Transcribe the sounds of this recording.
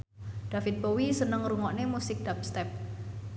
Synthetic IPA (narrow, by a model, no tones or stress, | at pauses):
d̪̥afɪt̪̚bowisənəŋruŋɔʔnemusɪk̚d̪̥ap̚st̪ɛp̚